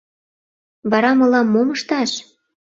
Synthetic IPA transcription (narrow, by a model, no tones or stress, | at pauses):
βɑɾɑmɤ̆lɑmːomɤʃt̪ɑʃ